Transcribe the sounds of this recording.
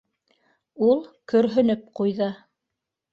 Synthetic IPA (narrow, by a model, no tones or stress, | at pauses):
ulˠkɵ̆ɾɦɵ̆nɵp̚qujðɤ